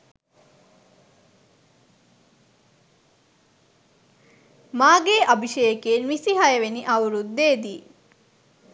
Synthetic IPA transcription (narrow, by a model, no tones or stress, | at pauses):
maːɡeːʔabʱiʃejəkeːnʋisiɦajəʋeniʔawɾud̪ːeːd̪iː